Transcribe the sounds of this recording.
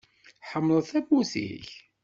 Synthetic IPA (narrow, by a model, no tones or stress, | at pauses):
ħəmːlˤəθæbusḭç